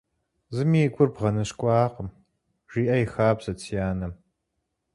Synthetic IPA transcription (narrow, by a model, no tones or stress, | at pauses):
zɨmiːɡʷʊrbʁɐnɐɕkʷʼɑːqəm | ʒ̥iːʔɐjɪxaːbsɐt͡sʰijaːnɐm